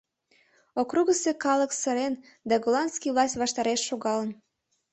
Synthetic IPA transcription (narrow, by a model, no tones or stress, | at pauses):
okruɣəsekɑləksəɾen | d̪ɑɡolˠɑnskijvlˠɑsʲtʲβɑʃt̪ɑɾeʃːoɣɑlən